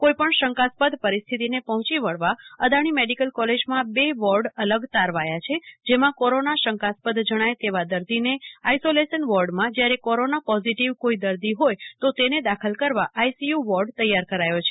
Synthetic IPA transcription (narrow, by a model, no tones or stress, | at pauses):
kojpəɳʃəŋkaspəd̪ʱpəɾist̪ʰit̪inepɔɦʊ̃t͡ʃiʋəɭʋaəd̪aɽ̃imeɖikəlkɔled͡ʒmãbeʋɔɾɖələɡt̪aɾʋajat͡ʃʰed͡ʒemãkɔɾonaʃəŋkaspəd̪ʱd͡ʒəɽ̃ajt̪eʋad̪əɾd̪ineajsolesənʋɔɾɖmãd͡ʒjaɾekɔɾonapɔziʈiʋkoid̪əɾd̪iɦojt̪ot̪ened̪akʰəlkəɾʋaʔajsijuʋɔɾɖt̪əjːaɾkəɾajot͡ʃʰe̥